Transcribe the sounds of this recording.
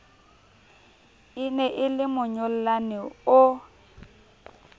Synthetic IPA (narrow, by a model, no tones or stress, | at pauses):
ɪnɛʔɪlɪmʊɲʊl̩lanɪʊ